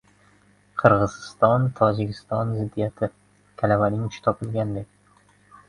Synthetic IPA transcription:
qʰɨɾʁɨzɪst̪ɒnt̪ʰɒd͡ʒɪkʲʰɪst̪ɒnzɪd̪ːijat̪ʰɪ | kʲʰalavanɪŋʊt͡ʃʰɪ̥t̪ʰɒpʰɪlˠɡʲand̪ekʲ

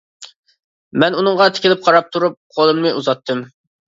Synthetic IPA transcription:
mɛnunɨŋʁɑt̪ʰɪ̥kʲɪlɪp̚qʰɑɾɑp̚t̪ʰuɾup̚qʰolˠɨmnɨʔuzɑt̪ʰːɨm

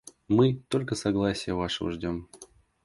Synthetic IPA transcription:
mɨt̪o̞lʲkəsɐɡlˠasʲɪjəvaʂɨvə̰ʐdʲo̞m

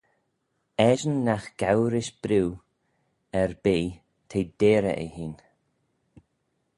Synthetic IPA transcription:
ɛʒənːaxɡ̥awɾɪʃb̥ɾiw | ɛɹbeː | t̪ʰeːd̪̥eːɾə̰ʔə̰hiːn

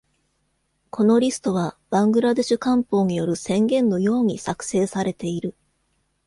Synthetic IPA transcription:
kʰo̞no̞ɾʲisɨ̥t̪o̞β̞ab̥ãŋɡɯ̟ɾad̪e̞ɕɨkãmpo̞ːɲijo̞ɾɯ̟sẽ̞ŋɡẽ̞nːo̞jo̞ːɲ̟isakɯ̟̥se̞ːsaɾe̞t̪e̞iɾɯ̟

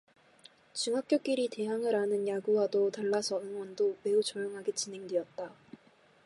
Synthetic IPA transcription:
t͡ɕɯŋɦak͈jok͈iɾite̞ɦaŋɯɾanɯnjaɡuwadotaɭːasʰʌɯŋwʌndome̞ut͡ɕʌjoŋɦaɡet͡ɕinɦe̞ŋdejʌt̚t͈a

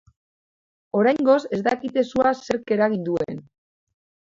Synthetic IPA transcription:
o̞ɾajŋɡo̞se̞zd̪akit̪e̞suase̞ɾke̞ɾaɣ̞ind̪ue̞̰n

